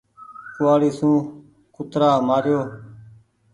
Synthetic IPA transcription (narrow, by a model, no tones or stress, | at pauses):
kʊaːɽiːsũː | kʊt̪ɾaːmaːɾjoː